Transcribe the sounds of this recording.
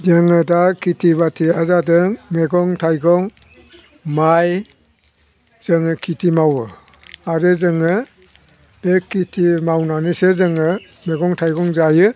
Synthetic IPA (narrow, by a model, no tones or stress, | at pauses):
deŋɯdakʰitʰiβatʰiazadɯŋmeɡɔŋtʰajɡɔŋ | maj | z̥ɯŋɯkʰitʰimawɯ | aɾɯzɯŋɯ | bekʰːitʰimawnanisɯzɯŋɯ | meɡɔŋtʰajɡɔŋzajɯ